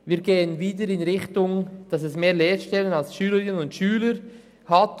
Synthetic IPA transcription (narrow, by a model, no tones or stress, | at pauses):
viːɾɡeːənviːdəɾɪnʁɪχtʊŋd̥ɑsɛsmeːleːʃtɛlənalsʃyːləɾɪnənʊntʃyːləɾ | hat